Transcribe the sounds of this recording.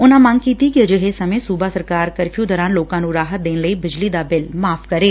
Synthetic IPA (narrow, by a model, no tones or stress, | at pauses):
ʊnãːməŋɡkiːt̪iːkɪəd͡ʒɪɦeːsəmẽːsuːbaːsəɾkaːɾkəɾpʰjuːd̪ɔːɾãːnloːkãːnũːɾaːɦət̪̚d̪eːnləiːbɪd͡ʒliːd̪aːbɪlmaːpʰkəɾeː